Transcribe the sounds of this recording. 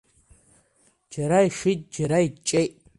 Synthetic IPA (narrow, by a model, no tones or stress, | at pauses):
d͡ʒaɾaiʃʷitʼd͡ʒaɾait͡ʃʼejtʼ